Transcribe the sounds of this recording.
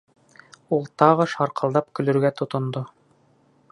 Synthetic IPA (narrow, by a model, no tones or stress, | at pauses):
ulˠt̪ɑʁɤʃɑɾqʰɤ̆lˠd̪ɑpkɵ̆lɵ̆ɾɡæt̪ŏt̪ŏnd̪o